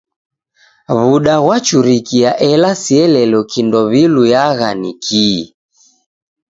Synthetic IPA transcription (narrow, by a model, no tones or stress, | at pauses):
βuɗaɣwat͡ʃuɾikiaʔɛlasiɛlɛlɔkindɔβilujaɣanikʰi